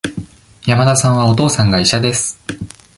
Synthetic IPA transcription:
jamad̪asãɰ̃β̞ao̞t̪o̞ːsãŋɡaiɕad̪e̞sɨ̥

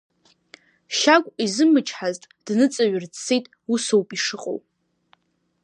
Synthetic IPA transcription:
ʃakʷʼizɨmɨt͡ʃʰʼħaztʼd̥nɨt͡sʼaɥʊrʰejtʼ | usowpʼiʂɨqʼo̰wʼ

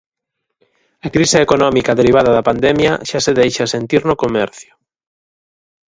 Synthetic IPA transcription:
akɾiseːkonɔmikaðeɾiβ̞aðɐðɐpand̪emjaʃaseðejʃasent̪iɾnokomɛɾθjʊ̥

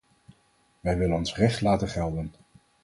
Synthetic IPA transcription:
ʋɛjʋɪlənɔnsrɛχtlaːtənχɛlˠdən

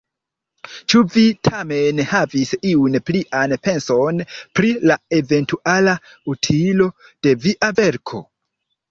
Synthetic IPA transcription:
t͡ʃuvitʰamenhavisiunpliʔanpe̞nso̞npɾilae̞ve̞ntuala | utʰilo̞d̥e̞viʔave̞ɾkʰo̞̰

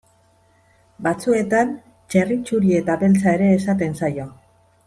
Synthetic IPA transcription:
bat͡sue̞t̪an | t͡ʃe̞rit͡ʃuɾie̞t̪aβe̞lt͡sae̞ɾe̞ːsat̪e̞nsajo̞

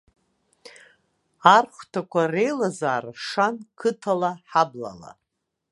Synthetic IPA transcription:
arχʷtʰakʷʰare̞jlazaːrʂankʰɨtʰalaħabla̰la̰

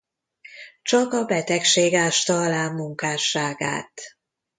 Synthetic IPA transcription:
t͡ʃɒkɒbɛt̪ɛkʃeːɡaːʃt̪ɒlaːmːuŋkaːʃaːɡa̰ːt̪

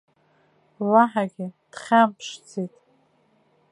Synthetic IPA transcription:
laħaɡʲɪd̥χʲampʰʂt͡sʰitʼ

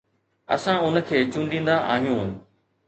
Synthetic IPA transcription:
ɐ̰sãʊn̆kʰeːt͡ɕũːɳɖĩːnd̪aʔa̰ːɦijũː

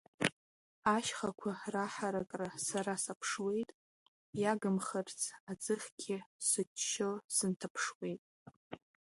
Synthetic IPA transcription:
aʃχakʷʰaraħaɾakʼrasaɾasapʰʂwe̞jtʼ | jaɡɨmχərt͡sʰad͡zɨχʲɡʲʰɪsɨt͡ʃʰːolsɨntʰapʰʂwe̞jtʼ

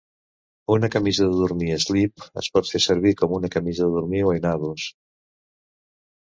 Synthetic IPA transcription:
unakamizaðəðuɾmiezlipa̰spɔɾθeaseɾβiɾkomunakamizaðeðuɾmiwajnaðos

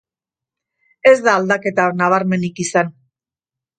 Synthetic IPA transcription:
e̞zd̪aːld̪ake̞t̪anaβ̞aɾme̞nikisan

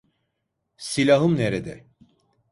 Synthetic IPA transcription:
silʲaɦɯmneɾed̪ɛ

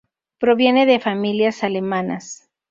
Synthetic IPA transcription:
pɾo̞βje̞ne̞ðe̞familjasale̞mana̰s

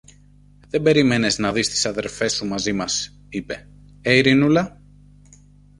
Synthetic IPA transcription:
ðe̞be̞ɾime̞ne̞znɐðist̪i̥sɐðe̞ɾfe̞sumɐzimɐs | ipe̞̰ | eiɾinulɐ

